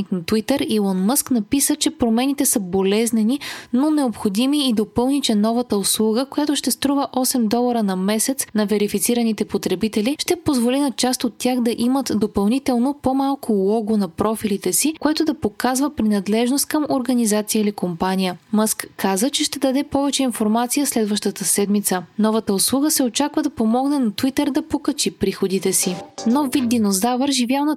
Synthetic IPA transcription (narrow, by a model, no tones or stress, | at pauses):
niknɐt̪wit̪əɾilˠɔnmɤsknɐpisət͡ʃɛpɾomɛnit̪ɛsəbolɛznɛninonɛopxod̪imiːd̪opɤlˠnit͡ʃɛnɔvət̪əoslˠuɡəkojat̪oʃt̪ɛst̪ɾuvəʔɔsɛmd̪ɔlˠɐɾənɐmɛsɛt̪snɐvɛɾifit̪siɾənit̪ɛpot̪ɾɛbit̪ɛliʃt̪ɛpozvolinɐt͡ʃast̪ot̪ːjaxd̪ɐʔimət̪d̪opɐlˠnit̪ɛlˠnopomalˠkʰʊlˠɔɡonɐpɾɔfilit̪ɛsikoɛt̪ʊd̪ɐpokazvəpɾinɐd̪lɛʒnost̪̚kɐmoɾɡɐnizat̪sijəilikompanijəməskkʰːazət͡ʃɛʃt̪ɛd̪ɐd̪ɛpɔvɛt͡ʃɛinfoɾmat̪sijəslɛd̪vəʃt̪ət̪əsɛd̪mit̪sənɔvət̪əoslˠuɡəsɛot͡ʃakvəd̪ɐpomɔɡnɛnɐt̪vit̪ɛɾd̪ɐpokɐt͡ʃipɾixod̪it̪ɛsinɔfːid̪̚d̪ːinozavəɾʒivjalˠnə